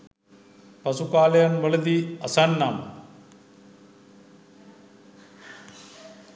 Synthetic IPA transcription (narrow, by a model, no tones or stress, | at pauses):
pɐsukaːlɐjɐnʋɐɭɐd̪iɐsanːam